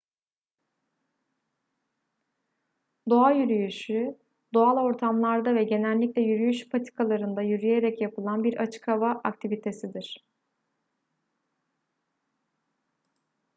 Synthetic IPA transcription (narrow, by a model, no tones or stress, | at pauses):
d̪o̞ajyɾyjyʃy | d̪o̞alˠo̞ɾt̪ʰamlˠaɾd̪avɛɟe̞nɛlʲːiclʲɛjyɾyjyʃpʰat̪ʰi̥kʰalˠaɾɯnd̪ajyɾyje̞ɾɛcjapɯlˠanbiɾʔat͡ʃʰɯ̥kʰavaʔakt̪ʰivit̪ʰe̞sid̪iɾ̥